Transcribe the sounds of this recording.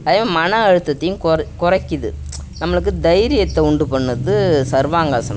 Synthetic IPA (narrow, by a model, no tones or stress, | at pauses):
ɐðɐːʋɐmɐnɐɐɻɯt̪ːɐt̪ːɐjʊ̃mkkʊrɐkːɪðɯ̰nɐmːɐɭɯk̬ːɯd̪ɐjɾɪjɐt̪ːɛʊɳɖɯpɐɳːɯðɯsɐɾʋaːŋɡɐːsɐnɐ